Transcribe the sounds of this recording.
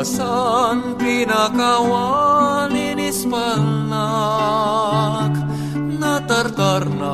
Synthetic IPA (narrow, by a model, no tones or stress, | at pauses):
sanpinakawaninispəlna | k | nat̪ərt̪arna